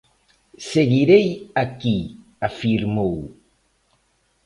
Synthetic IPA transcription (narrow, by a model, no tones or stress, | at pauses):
seɣiɾejaki | afiɾmow